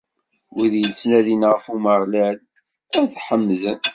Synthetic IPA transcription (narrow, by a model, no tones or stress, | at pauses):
ʊðjənt͡sːnæðinʁəfuməʁlæl | æðħəmːzən